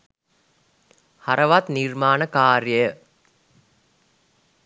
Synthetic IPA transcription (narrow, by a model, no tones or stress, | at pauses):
haɾəʋat̪nirmaːnəkaːɾjəjə